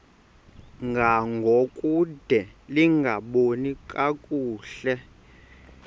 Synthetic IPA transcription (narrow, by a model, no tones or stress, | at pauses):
ŋɡʱaŋɡʱokʼud̥ʱɛliŋɡʱaɓonikʼakʼuːɬɛ